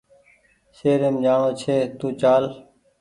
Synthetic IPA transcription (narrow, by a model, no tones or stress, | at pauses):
seːɾeːmd͡ʒaːɳoːt͡ʃʰeːt̪ũːt͡ʃaːl